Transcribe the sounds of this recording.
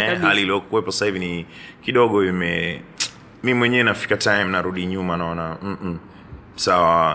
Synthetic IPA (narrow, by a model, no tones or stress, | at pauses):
ɛhaliliɔkuwɛpɔsahivini | kiɗɔɠɔimɛ | mimwɛɲɛɛnafi̥katʰajm̩naɾuɗiɲumanaɔnam̩ | sawa